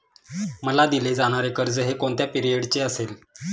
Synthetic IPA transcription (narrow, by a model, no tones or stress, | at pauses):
məlad̪iled͡zaɽ̃aɾekəɾd͡zəɦekoɳt̪japiɾijəɽt͡ɕeəsel